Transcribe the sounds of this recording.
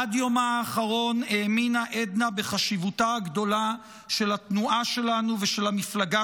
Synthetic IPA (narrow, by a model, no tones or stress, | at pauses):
adjo̞maːχaʁo̞ne̞ːminaʔed̪nabe̞χaʃivutaɡdo̞la | ʃe̞latnuʔaʃe̞lanuveʃe̞lhamiflaɡa